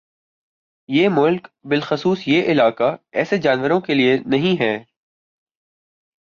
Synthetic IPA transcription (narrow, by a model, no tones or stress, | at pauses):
jeːmʊlkbɪlxʊsuːsjeːʔɪlaːkaɛːsed͡ʒaːnʋəɾõkelienɐɦĩɦɛː